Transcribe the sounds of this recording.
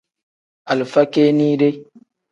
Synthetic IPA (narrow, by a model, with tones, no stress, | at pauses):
a˨lfa˦ke˦ni˦ɾe˦